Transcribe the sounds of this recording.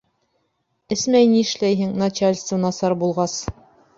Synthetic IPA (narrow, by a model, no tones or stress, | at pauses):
ɘsmæjniɘ̆ʃlæjɦɘŋnɐt͡ɕalʲst̪vənɑsɑɾbulˠʁɑs